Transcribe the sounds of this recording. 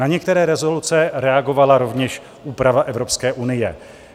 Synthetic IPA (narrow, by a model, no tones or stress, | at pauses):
aɲɛk̚t̪ɛɾɛːɾɛzo̞lut͡sɛɾɛaɡo̞valaɾo̞vɲɛʃ | ʔuːpɾavaʔɛvɾo̞pskɛːʔunɪjɛ